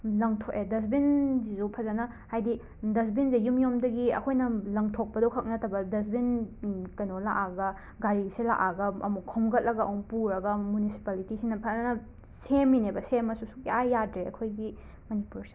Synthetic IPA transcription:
lɐŋtʰoʔedɐs̬binzizupʰɐzɐnɐ | hajdi | dɐs̬binzijumjomdɐɡiɐ̰kʰojnɐlɐŋtʰok̚pɐdɔwkʰɐk̚nɐtʰɐbɐdɐs̬binkɐjnolaʔaɡɐ | ɡaɾisela̰ʔaɡɐɐ̰mukʰomɡɐt̚lɐɡɐɔŋpuɾɐɡɐmunisi̥palitisinɐpʰɐzɐnɐ | semːinebɐsemɐsusukiajːadɾeɐkʰojɡi | mɐnipuɾs

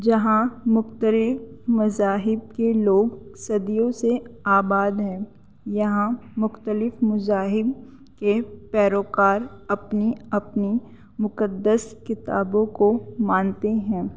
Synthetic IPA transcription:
d͡ʒɐɦãmʊxt̪əlɪfmʊzaːɦɪb̚keloːɡsɐd̪ijõseaːbaːd̪ɦɛ̃ː | jɐɦãmʊxt̪əlɪfmʊzaːɦɪb̚ | kepɛːɾoːkaːɾɐpniɐpni | mʊkəd̪ːəskɪt̪a̰ːbõkomãːnt̪eɦɛ̃ː

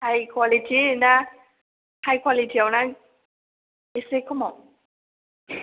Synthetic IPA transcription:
hajkʰwalitʰina | hajkʰwalitʰiawnaŋ | esekʰɔmɔ

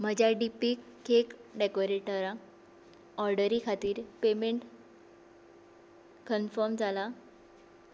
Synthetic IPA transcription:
m̤əd͡ʑʱjaɖipikʰːekɖekoɾeʈəɾã | ɔɾɖəɾikʰat̪iːɾpemeɳʈ | kənfɔɾmd͡zʱala

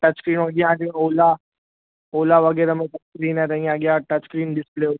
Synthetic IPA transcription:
ʈɐt͡ʃkɾiːnoɡɪjãːd͡ʒeoːla | oːlaʋɐɡɛːɾamẽʈɐt͡ʃkɾiːnɦɛ̃t̪eŋãːɡjaʈɐt͡ʃkɾiːnɖɪspleːo

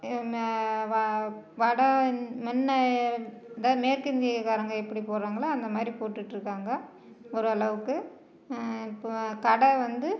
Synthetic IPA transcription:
ʋɐ | ʋɐɽɐmɛnːɐ | ðaːðɯmeːɾkɪnd̪ɪɐkaːɾɐŋɡɐɛpːɐɽipoːɾaːŋɡɐɭaːnd̪ɐmaːd̪ɾipoːʈːɯʈːɾɯkːaːŋɡɐ | ɔɾɯɐlɐʋɯkːɯ | pːkɐɽɐʋɐnd̪ɯ

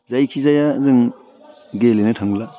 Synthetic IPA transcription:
zajkʰizajazɯŋ | ɡelenɯtʰaŋla

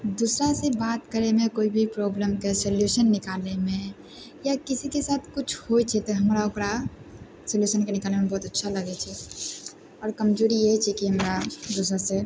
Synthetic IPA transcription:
d̪uːsɾasebaːt̪kəɾemẽkoːibʱipɾɔːbləmkesəljuʃənːɪkaːlemẽ | jakɪsikesaːt̪ʰkʊt͡ʃʰhojt͡ʃʰɛt̪oɦɐmɾaʊkɾa | səljuʃənkenɪkaːlnemebɔːt̪ɐtːʃʰaləɡɛt͡ʃʰɛ | ɔːɾkəmd͡ʒoɾiet͡ʃʰɛkiɦəmɾad̪usɾase

